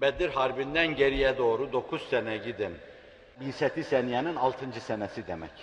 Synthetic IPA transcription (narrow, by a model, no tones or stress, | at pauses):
bɛd̪iɾɦaɾbind̪ænɟeɾijɛd̪o̞ːɾud̪o̞kʰuz̥sɛnɛɟid̪in | binsɛt̪ʰisænijaninɑlˠt̪ʰɯnd͡ʒɯsɛnɛsid̪emɛ̰c